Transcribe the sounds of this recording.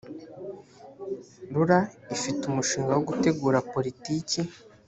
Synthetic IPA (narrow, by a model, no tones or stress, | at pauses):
ɾuɾaifitumuʃiːŋɡawo̞ɡute̞ɡuːɾapo̞ɾitiːce